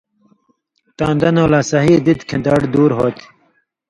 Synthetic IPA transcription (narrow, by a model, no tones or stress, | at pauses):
t̪aːnd̪ɐnoːlasɐɦiːd̪it̪kʰẽd̪aɽd̪uːɾɦoːt̪i̥